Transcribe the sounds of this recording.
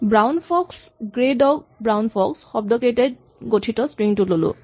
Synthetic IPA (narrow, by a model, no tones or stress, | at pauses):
bɹawnpʰɔks | ɡɹedɔk̚bɹawnpʰɔksxɔb̚dɔkejtɛd̚ | ɡotʰitɔspɹiŋtʊlolʊ̰